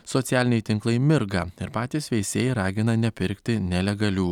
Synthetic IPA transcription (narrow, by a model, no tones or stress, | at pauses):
sɔt̪sʲæːlʲɪnʲɛjt̪ʲɪŋklˠɐɪmʲɪɾɡɐɪɾpɑːt̪ʲiːsʋʲɛɪsʲeːjɾɑːɡʲɪnɐnʲɛpʲɪɾʲkt̪ʲɪnʲɛlʲɛɡɐlʲuː